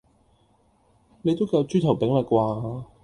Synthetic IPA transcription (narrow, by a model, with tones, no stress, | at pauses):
ne˨˧jt̪o˥wkɐ˧wt͡ʃyː˥t̪ʰɐ˨˩wpɪ˨˥ŋlɐ˨t̚kʷaː˧